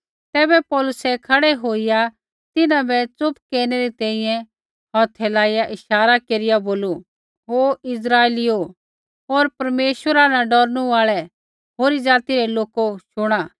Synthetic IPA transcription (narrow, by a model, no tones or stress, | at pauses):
t̪ɛːbɛpɔːlʊsɛkʰɐɽɛɦoːɪja | t̪ɪnãbɛt͡sʊpkeːɾnɛɾit̪ɛ̃ːĩjɛ̃ | ɦɔt̪ʰɛːlaːɪjaʔɪʃaːɾakeːɾɪjaboːlu | ɦoɪsɾaːelio | ɦoːɾpɐɾmeːʃwəɾanãɖɔɾnũaːɭɛ | ɦoːɾid͡zaːt̪iɾɛloːkoʃʊɽ̃aː